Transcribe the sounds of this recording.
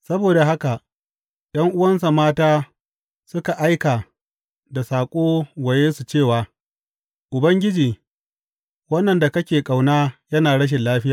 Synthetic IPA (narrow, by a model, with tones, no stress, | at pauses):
sɐ˦boː˨da˨ɦa˦ka˨ʔ | ɗɐ˦ŋʔʊ˦wɐ˦ns̬a˨maː˦taː˦ | sʊ˦ka˨ʔa˦jka˨ | da˨saː˨kʷʼoː˦wɐ˨jeː˦su˨t͡ʃeː˦˨waː˨ | ʔʊ˨bɐ˦ŋɡʲɪ˦d͡ʒiː˨ | wɐ˦nːɐ˨nda˨kɐ˦kʲeː˨kʼa˨wnaː˦jɐ˦naː˨ɽɐ˦ʃ̬ɪ˨nlaː˦ɸɪ˦jaː˨